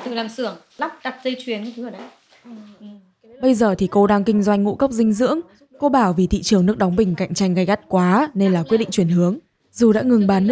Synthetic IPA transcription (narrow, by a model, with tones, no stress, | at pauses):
t̪ɨ˨˩laː˨˩msɨ˧˩əŋ | la˦˥p̚ɗa˨˩p̚zə˧jt͡ɕwi˨˦ən˧t̪ʰɨ˨˦əː˧˩ɗa˨˧˦ | ɓə˧jzəː˨˩t̪ʰi˨˩ko˧ɗaː˧ŋkï˧ŋ̟zwa˧jŋ̟ŋṵ˧˥kə˦˥wk͡p̚zï˧ŋ̟zɨ̰˧˥əŋ | ko˧ɓaː˧˩wvi˨˩t̪ʰḭ˧˨t͡ɕɨ˨˩əŋnɨ˦˥ək̚ɗɔ˨˦wŋ͡mɓï˧˩ŋ̟ka̰˧˨jŋ̟t͡ɕa˧jŋ̟ɣa˧˩jɣa˦˥t̚kwaː˨˦ne˧nlaː˨˩kwi˦˥t̚ɗḭ˧˨ŋt͡ɕwi˧˩ənhɨ˨˦əŋ | zu˨˩ɗa̰ː˧˥ŋɨ˨˩ŋɓaː˨˦n˦